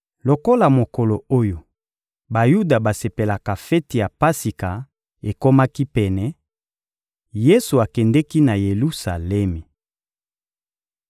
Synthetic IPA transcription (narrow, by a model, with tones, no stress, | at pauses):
lo˨ko˦la˨mo˨ko˨lo˨o˦jo˨ | ba˨ju˦da˨ba˨se˨pe˨la˨ka˨fɛ˦ti˨ja˨pa˦si˨ka˨ | e˨ko˦ma˦ki˦pɛ˨nɛ˨ | je˦su˨a˨kɛ˨ndɛ˦ki˦na˨je˨lu˦sa˨lɛ˦mi˨